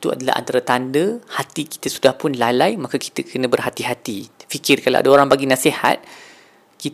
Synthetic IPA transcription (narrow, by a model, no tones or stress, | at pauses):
it̪ua̰dala̰ha̰nt̪aɾat̪andəhat̪iki̥t̪əsudahpʊnlalajmakaki̥t̪əkʰənə̃bərɦat̪iɦat̪ifikɪrkala̰wʔa̰daoɾaŋbaɡinãsiha̰t̪̚ | kit